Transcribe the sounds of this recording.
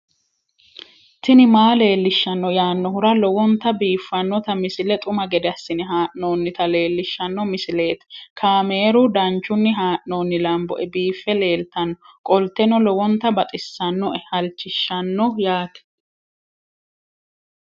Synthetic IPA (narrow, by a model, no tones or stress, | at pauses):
t̪ɪnɪmaːle̞ːlːɪʃːɐnːɔjaːnːɔhʊɾɐlɔwɔnt̪ːɐbiːfːɐnːɔt̪ɐmɪsɪlɛt̪ʼʊmɐɡɛd̪ɛɐsːɪnɪɦaːʔnoːnːɪt̪ɐle̞ːlːɪʃːɐnːɔmɪsɪle̞ːt̪kʰaːmeːɾʊd̪ɐnt͡ʃːʊnːɪɦaːʔnoːnːɪlɐmbɔ̰ʔɛbiːfːɛle̞ːlt̪ɐnːɔkʼɔlt̪ːɛnɔlɔwɔnt̪ɐbɐt̪ʼɪsːɐnːɔʔɛhɐlt͡ʃːɪʃːɐnːɔjaːt̪ɛ̥